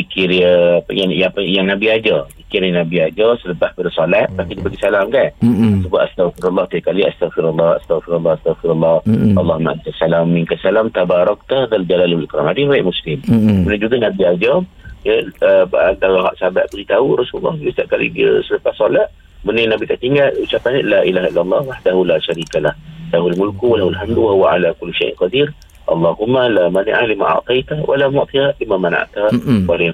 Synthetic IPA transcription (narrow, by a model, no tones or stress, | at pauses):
ikiɾiəpə̰jaŋjapəjaŋnabiad͡ʒəikiɾnabiad͡ʒəsələpahbədəsolat̪̚pak̪idipaɡisalamkansəbaʔ̪ast̪aɣfiɾalːɑht̪ikaliast̪aɣfiɾalːɑha̰st̪aɣfiɾalːɑhast̪aɣfiɾalːɑhɑlːɑhmaʔank̪asalamːiŋkasalamt̪abaɾɔk̚t̪aðald͡ʒalalwlkɾa̰madəhajɛʔmuslɪmbənəd͡ʒuɡanabiad͡ʒajaəbant̪aɣaɦa̰ʔsaba̰ʔbəlit̪auɾɑsuulːɑhist̪aʔkalḭdiə̰sələpahsolaʔ | bənənabit̪aʔt̪iŋɡalut͡ʃapanalaːʔilaːɦailːalˤːɑhwaħdaɦulaːʃaɾiːkalahlaɦulmʊlkuwalaɦulħamd̪waɦuwaʕalakʊlːʃa̰jʔnqɑd̪ir | ʔɑ̰lˤːɑɦumːalamanḭʔahlima̰ʔa̰ʕt̪ˤɑjt̪awʔa̰lamʊʔt̪iɣabimamana̰ʔt̪awala